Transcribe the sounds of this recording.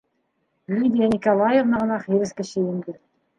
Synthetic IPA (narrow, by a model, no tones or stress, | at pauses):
lʲyd̪ʲijanʲikolˠajevnɑʁɤ̆nɑχiɾɘ̆skɘ̆ɕɘjɘ̆nd̪ɘɾ